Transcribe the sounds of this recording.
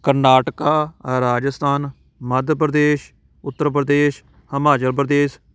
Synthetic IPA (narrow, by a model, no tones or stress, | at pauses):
kəɾnaːʈkaːɾaːd͡ʒəst̪ʰaːn | məd̪ʱpɾəd̪eːʃ | ʊt̪ːəɾp̬ɾəd̪eːʃ | həmaːt͡ʃəɾp̬ɾd̪eːs